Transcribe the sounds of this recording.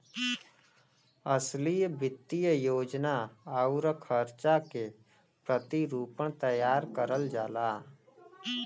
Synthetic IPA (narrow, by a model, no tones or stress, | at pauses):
əslijbɪt̪ːijjoːd͡ʒnaauɾəkʰəɾt͡ʃake | pɾət̪iɾuːpəɳt̪əjaːɾkəɾəld͡ʒaːlaː